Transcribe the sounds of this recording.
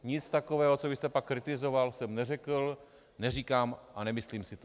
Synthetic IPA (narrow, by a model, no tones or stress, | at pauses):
ɲɪt͡st̪akovɛːɦot͡sovɪst̪ɛpakːɾɪt̪ɪzo̞valsɛmnɛrɛkl | nɛriːkaːmʔanɛmɪsliːmsɪt̪o